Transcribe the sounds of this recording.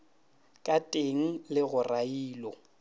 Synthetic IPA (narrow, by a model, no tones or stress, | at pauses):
kʼatʼeŋ̩lɪɣʊraiːlɔ